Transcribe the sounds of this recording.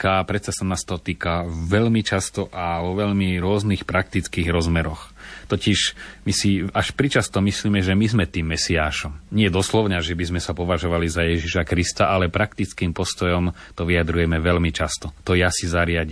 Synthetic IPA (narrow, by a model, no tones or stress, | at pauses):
kaːpɾɛt̪sasanaːst̪ɔt̪iːkaʋɛʎmit͡ʃast̪ɔʔaʋɔʋɛʎmiɾʊɔznixpɾak̚t̪it͡skiːɣɾɔzmɛɾɔxt̪ɔciʃmisiaʃpɾit͡ʃast̪ɔmisliːmɛʒɛmizmɛt̪iːmːɛsiaːʃɔmɲɪɛd̪ɔslɔʊɲaʒɛbizmɛsapɔʋaʒɔʋalizajɛʒiʃakɾist̪aʔalɛpɾakt̪it͡skiːmpɔst̪ɔjɔm | t̪ɔʋijad̪ɾujɛmɛʋɛlmit͡ʃast̪ɔt̪ɔjasizaɾɪaɟiːm